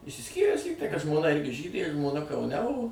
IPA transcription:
ɪʃʲsʲɪsʲˈkʲiːrʲæːs ˈlʲiːktɐɪ kɐt ʒmoːˈnɐ ˈɪrʲɡʲɪ ˈʒʲiːdʲeː ʒmoːˈnɐ kɐʊˈnʲɛ oː

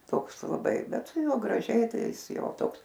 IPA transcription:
ˈtoːks lˠɐˈbɐɪ ˈbʲɛt sʊ ˈjuɔ ɡrɐˈʒʲɛɪ ˈtɐɪ ˈjɪs ˈjɛʊ ˈtoːks

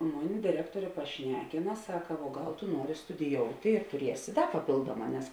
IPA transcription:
ˈmʊˌnʲɪ dʲɪˈrʲæːktuɔrʲeː pɐˈʃʲnʲæːkʲɪnɐ ˈsɑːkɐ ʋuɔ ˈɡɐlˠ tʊ ˈnuɔrʲɪ stʊdʲɪˈjoːʊtʲɪ tʊˈrʲiɛsʲɪ ˈdɐ pɐˈpʲeːlˠduɔˌmɑː nʲɛs

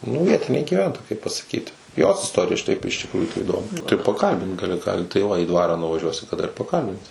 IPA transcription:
nʊ ˈʋʲiɛtʲɪnʲeː ɡʲiːˈʋʲɛntoːjɛ kɐɪp pɐsɐˈkʲiːtʲɪ ˈjoːs ɪsˈtoːrʲɪjɛ ʃʲɪˈtɐɪp ɪʃ tʲɪkˈruːjuː tɐɪ iːˈdoːmʲɪ tɐɪ pɐˈkɐlʲbʲɪnt ɡɐˈlʲɪ ˈkɑː tɐɪ ˈʋɐ iː ˈdʋɑːrɑː nʊʋɐˈʒʲuɔsʲɪ kɐˈdɐ ɪr pɐˈkɐlʲbʲɪnʲsʲɪ

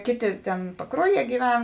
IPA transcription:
ˈkʲeːˌtʲeː ˈtʲeːn pɐˈkruɔˌjiɛ ɡʲiːˈʋʲɛn

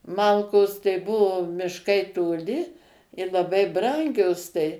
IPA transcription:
ˈmɐlˠkoːs tɐɪ ˈbʊʋoː mʲɪʃˈkɐɪ toːˈlʲɪ ɪr lˠɐˈbɐɪ ˈbrɐŋʲɡʲoːs tɐɪ

